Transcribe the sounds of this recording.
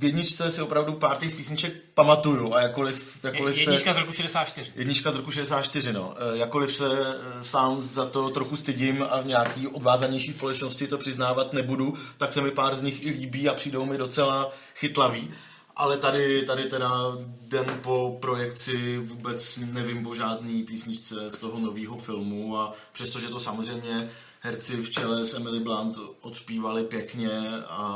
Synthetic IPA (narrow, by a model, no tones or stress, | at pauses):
vjɛdɲɪt͡ʃt͡sɛsɪo̞pɾavdupaːɾcɛxpiːsɲɪt͡ʃɛk̚ | pamat̪ujuʔajakolɪf | jakjolɪfjsɛikazɾokuʃɛdɛsaːt̪t͡ʃt̪ɪrɪjɛdɲɪt͡ʃkazɾokuʃɛdɛs̬aːt̪t͡ʃt̪ɪrɪno̞̰jakolɪfsɛ | saːmzat̪o̞t̪ɾoxust̪ɪɟɪma̰vɲɛaːkiːʔo̞dvaːzaɲɛjʃiːspo̞lɛt͡ʃno̞scɪt̪o̞pr̥ɪznaːvat̪nɛbudut̪aksɛmɪpaːɾzɲɪxɪliːbiːapr̝̥iːdowmɪdo̞t͡sɛla | xɪt̪laviː | ʔa̰lɛt̪adɪt̪adɪt̪ɛdadɛmpo̞pɾo̞jɛkt͡sɪvuːbɛt͡snɛvɪmvo̞ʒaːdniːpiːsɲɪt͡ʃt͡sɛst̪oɦono̞viːɦo̞fɪlmuapr̝̥ɛst̪oʒɛt̪o̞samorɛjmɲɛ | ɦɛɾt͡sɪft͡ʃɛlɛsɛmɪlɪblant̪ʔot̪spiːvalɪpjɛkɲɛa